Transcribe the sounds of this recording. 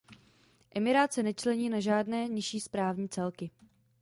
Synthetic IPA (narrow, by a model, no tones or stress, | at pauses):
ʔɛmɪɾaːt̪sɛnɛt͡ʃlɛɲiːnaʒaːdnɛːɲɪʃiːspɾaːvɲiːt͡sɛlkɪ